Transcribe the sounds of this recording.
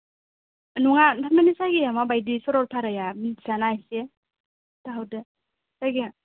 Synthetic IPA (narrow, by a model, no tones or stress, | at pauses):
nuŋandʰaɾmanisaɡijamabajdisɔɾɔɾtʰaɾajamsanajse | taɦawdɯ | sajɡi